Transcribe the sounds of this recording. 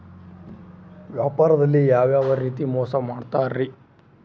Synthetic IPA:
ʋjaːpaːɾɐd̪ɐlːijaːʋjaːʋɐɾiːt̪imɔːsɐmaːɖt̪aːɾɾi

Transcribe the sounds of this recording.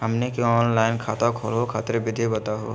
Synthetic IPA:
həmnekõɔːnlaːɪnkʰaːt̪akʰo̰ːlɦokʰa̰ːt̪ɾebɪd̪ʱibət̪aɦo̰ː

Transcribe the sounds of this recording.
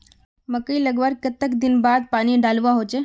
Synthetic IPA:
məkəiləɡʋaɾkət̪ːəkd̪ɪnbaːd̪̚paːniɖaːlʋaɦot͡ʃe

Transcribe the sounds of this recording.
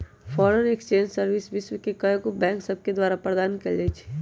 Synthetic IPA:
fʰɔːɾənekst͡ʃẽːɲd͡ʒsəɾʋɪsʋɪswəkekɐjkobɛ̃ːŋksɐb̚ked̪waːɾapɾəd̪aːnkɐɾlet͡ʃʰi̥

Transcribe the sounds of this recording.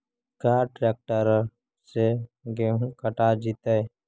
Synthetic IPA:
kaːɾʈɾeːk̚ʈəɾ | seɡekəʈad͡ʒit̪ej

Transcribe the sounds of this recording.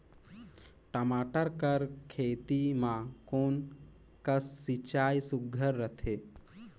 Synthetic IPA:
ʈəmaːʈəɾkəɾkʰeːt̪imãkoːn | kəsːit͡ʃaːjsʊɡʱəɾːət̪ʰeː

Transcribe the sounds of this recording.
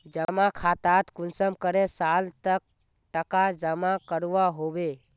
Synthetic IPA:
d͡ʒəmakʰat̪at̪kʊnsəmkəɾesalt̪ək̚ | ʈəkad͡ʒəmakəɾʋaɦobe

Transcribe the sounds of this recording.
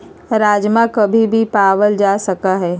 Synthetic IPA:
ɾaːd͡ʒmãkɐbʱibʱipaːʋəld͡ʒaːsɐkaɦɛː

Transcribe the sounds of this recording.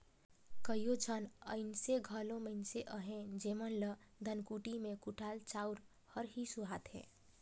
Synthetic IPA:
kəijot͡ʃʰənəɪnseɡʱəloməɪnseʔəɦẽd͡ʒeːmənlə | d̪ʱənkuʈimẽkuʈʰaːlt͡ʃaʊɾ | həɾɦisuɦaːt̪ɦḛ̃ː

